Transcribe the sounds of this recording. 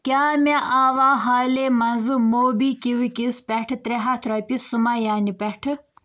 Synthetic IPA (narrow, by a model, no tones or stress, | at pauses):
kʲaːmeʔaːʋaːɦaːlemɐnzɨmoːbikiwikispeʈʰt̪ɾeɦat̪ʰɾopisumajaːnipeʈʰɨ